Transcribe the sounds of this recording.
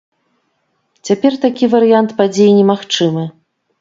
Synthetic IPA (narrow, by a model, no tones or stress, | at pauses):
t͡sʲapʲɛrt̪akʲivɐɾɨjant̪pad͡zʲejinʲɛmaxt͡ʂɨmɨ